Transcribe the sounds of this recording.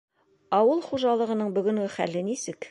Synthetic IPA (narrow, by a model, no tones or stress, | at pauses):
ɑwɤlˠχuʒɑlˠɤ̆ʁɤ̆nɤɴbɵ̆ɡɵ̆ŋɡɘχælɘnisɘk